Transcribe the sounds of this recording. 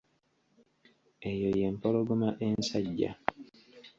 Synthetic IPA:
ejoje̞mpoloɡumaʔensaɟːa̰

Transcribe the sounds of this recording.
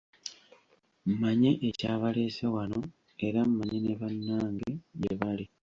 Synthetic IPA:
m̩maɲe̞ʔecaːβale̞ːsewano̞ | e̞ɾam̩maɲe̞neβanːaːŋɡejeβali

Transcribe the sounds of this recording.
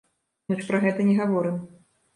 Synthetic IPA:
nɔʂpɾaɣɛt̪ɐnʲɛɣavɔɾɨm

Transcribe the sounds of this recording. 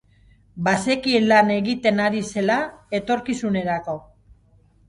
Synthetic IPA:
base̞kienlane̞ɣit̪e̞naɾise̞lae̞t̪o̞ɾkisune̞ɾako̞

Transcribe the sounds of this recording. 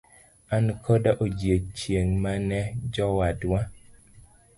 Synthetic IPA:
ankʰɔdaʔod͡ʒet͡ʃjeŋmanɛd͡ʒɔwadwa

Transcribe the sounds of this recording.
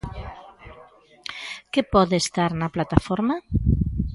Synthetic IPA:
kepɔðest̪aɾnɐplat̪afɔɾma

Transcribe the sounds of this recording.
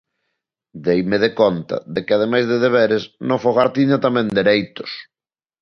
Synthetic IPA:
d̪ejmɪðekɔnt̪ɐ̰ðekɪað̞emajzðeðeβ̞ɛɾesnõŋfoɣaɾt̪iɲat̪amɛ̃nd̪eɾejt̪ʊ̥s

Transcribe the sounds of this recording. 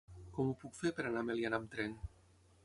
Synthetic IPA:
kɔmupukfeɾpeɾanamelianamt̪ɾɛn

